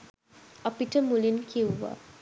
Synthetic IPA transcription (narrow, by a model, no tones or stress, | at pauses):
əpiʈəmulinkʰiwːa̰